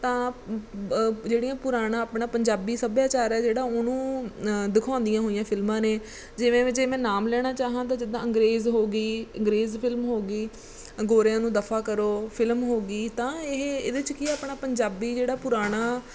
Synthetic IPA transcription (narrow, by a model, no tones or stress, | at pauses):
t̪ãː | d͡ʒeːɽijãːpʊɾaːɽãːapɳãːpəɲd͡ʒaːbiːsəbjaːt͡ʃaːɾɛːd͡ʒeːɽaːʊnũːd̪ɪkʰãːnd̪ijãːɦoːijãːpʰɪlmãːneː | d͡ʒɪʋẽːʋɪt͡ʃeːmɛ̃ːnaːmlɛːɽ̃aːt͡ʃaːɦãːt̪̬ãːd͡ʒɪd̪ãːəŋɡɾeːzɦoːɡiːə̃ŋɡɾeːzpʰɪlmɦoːɡiː | ɡoːɾjãːnũːd̪əpʰaːkəɾoːpʰɪlmɦoːɡiːt̪ãːɪɦḛːd̪eɪt͡ʃkiaːpɳaːpəɲd͡ʒaːbiːd͡ʒeːɽaːpʊɾaːɽ̃aː